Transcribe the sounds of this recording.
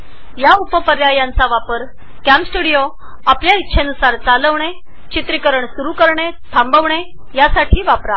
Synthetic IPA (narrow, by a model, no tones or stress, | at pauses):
jaupəpəɾjajant͡saʋapəɾ | kæmpsʈuɽijo | apljaitːɕʰenusaɾt͡saləʋɳe | t͡ɕit̪ɾikəɾəɳsuɾukəɾɳet̪ʰambəʋɳe | jasaʈʰiːʋapɾa